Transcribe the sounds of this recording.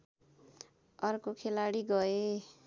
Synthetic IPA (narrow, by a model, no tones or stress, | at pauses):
ʌrkokʰelaɽiɡʌe